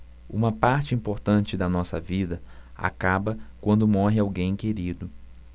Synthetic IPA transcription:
ṵ̃mɐpaɾt͡ʃɪĩmpoɾt̪ɐ̃nt͡ʃɪd̪ɐnɔsɐ̰vid̪ɐa̰kabɐkwɐ̃nd̪ʊmɔɦɪawɡẽj̃keɾid̪ʊ

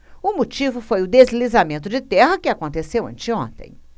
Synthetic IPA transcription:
ʊmot͡ʃivʊfojʊd̪ezlizamẽnt̪ʊd͡ʒɪt̪ɛhɐkɪakõnt̪esewɐ̰̃nt͡ʃɪõ̰nt̪ḛ̃j̃

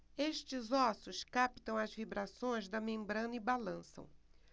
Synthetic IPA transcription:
eʃt͡ʃɪzɔsʊskapi̥t̪ɐ̃w̃ɐzvibɾasõj̃zd̪ɐmẽmbɾɐ̃nɐibalɐ̃sɐ̰̃w̃

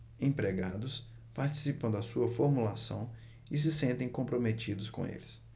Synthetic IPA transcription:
ẽpɾeɡad̪ʊs | paɾt͡ʃi̥sipɐ̃w̃d̪ɐsuɐfoɾmulasɐ̃w̃ | ɪs̬ɪsẽnt̪ẽj̃kõmpɾomet͡ʃid̪ʊskõḛlɪs

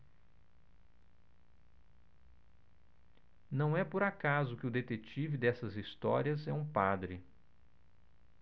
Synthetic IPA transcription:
nɐ̃w̃ɛpoɾakazʊkɪʊd̪et̪et͡ʃivɪd̪ɛsɐzist̪ɔɾiɐzɛũpad̪ɾɪ

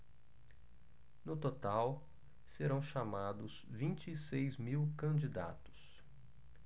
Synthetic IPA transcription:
nʊt̪ot̪aw | seɾɐ̃w̃ʃamad̪ʊz | vĩnt͡ʃɪːsejzmiwkɐ̃d͡ʒid̪a̰t̪ʊ̥s

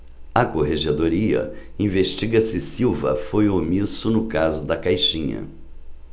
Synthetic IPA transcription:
ɐkoɦeʒed̪oɾiɐ̰ | ĩveʃt͡ʃiɡɐsɪsiwvɐ̰fojomisʊnʊkazʊd̪ɐkajʃĩɲɐ̰

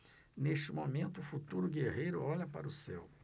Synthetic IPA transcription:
neʃt͡ʃɪmomẽnt̪ʊːfut̪uɾʊɡeɦejɾʊɔʎɐpa̰ɾʊsḛw

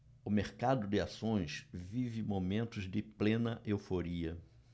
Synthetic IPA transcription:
ʊmeɾkad̪ʊd̪ɪasõj̃svivɪmomẽnt̪ʊzd̪ɪplẽnɐʔewfoɾiɐ

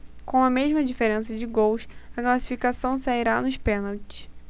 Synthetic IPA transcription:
kõw̃ɐmeʒmɐd͡ʒifeɾẽsɐd͡ʒɪɡowsɐklasi̥fikasɐ̃w̃saiɾanʊʃpẽnawt͡ʃɪ̥s

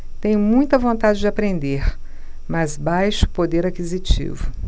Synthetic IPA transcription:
t̪ẽj̃mũj̃t̪ɐvõnt̪ad͡ʒɪd͡ʒɪapɾẽnd̪eɾ | mɐzbajʃʊ̥pod̪eɾakizit͡ʃḭvʊ

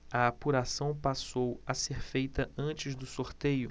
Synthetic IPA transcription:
ɐapuɾasɐ̃w̃pasowɐseɾfejt̪ɐɐ̃t͡ʃɪzd̪ʊsoɾt̪ejʊ

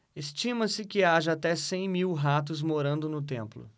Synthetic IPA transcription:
est͡ʃĩmɐ̃sɪkɪaʒɐat̪ɛsẽj̃miwɦat̪̬ʊzmoɾɐ̃nd̪ʊnʊt̪ẽmplʊ̰

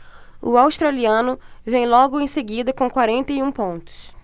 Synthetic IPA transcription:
ʊ̰awst̪ɾaliɐ̃nʊvẽj̃lɔɡʊẽj̃seɡid̪ɐkõkwaɾẽnt̪ɐjũpõnt̪ʊ̥s

